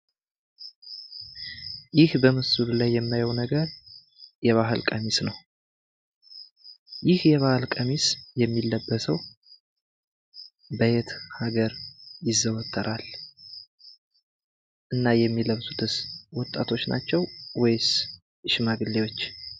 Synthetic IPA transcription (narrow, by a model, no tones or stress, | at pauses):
jɪhbəmɨsululajːɛmːajɛwnəɡəɾ | jɛβaɦɨlkʼəmisnəw | jɪhjɛβahɨlkʼəmisjɛmːilːəbːəsəw | bəjet̪haɡəɾjɪzːəwɔt̪ʰːəɾʔal | ʔɨnːajɛmːiləβsu̥t̪ʰɨswɔt̪ʼːat̪ʰo̞t͡ʃːna̰t͡ʃːɛwwɔjs | ɨʃmaɡɨlːewo̞t͡ʃː